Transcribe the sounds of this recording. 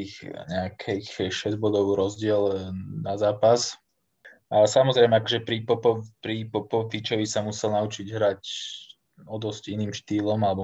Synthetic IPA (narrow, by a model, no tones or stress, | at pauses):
ixɲɛakʰɛxʃɛzɟbɔd̪ɔʊɾɔzɟɪɛlnazaːpas | ʔasamɔzɾɛɪmɛakɔʒɛpɾipɔpɔpɾipɔpɔfit͡ʃɔʋisamusɛlnaut͡ʃiɟɦɾac | ɔd̪ɔsciniːmʃt̪iːlɔmalɛbɔ